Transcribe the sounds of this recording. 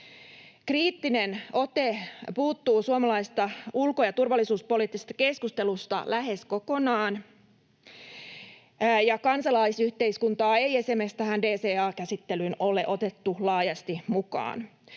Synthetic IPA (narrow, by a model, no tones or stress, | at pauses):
kriːt̪ːineno̞t̪epuːt̪ːuːsuomɑlɑist̪ɑulkojɑt̪urʋɑlːisuːspo̞liːt̪ːisest̪ɑ̥ke̞skust̪e̞lust̪ɑ̰læɦe̞sko̞ko̞nɑːn | jɑkɑnsɑlɑisyht̪e̞iskunt̪ɑːejesemest̪æɦændeːseːɑːkæsit̪ːelynoleʔo̞t̪e̞t̪ːulɑːjɑst̪imukɑ̰ːn